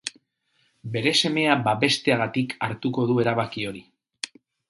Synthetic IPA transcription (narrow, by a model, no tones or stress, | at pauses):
be̞ɾe̞se̞me̞abaβe̞st̪e̞aɣ̞at̪ikʰaɾt̪uko̞ðue̞ɾaβakio̞ɾi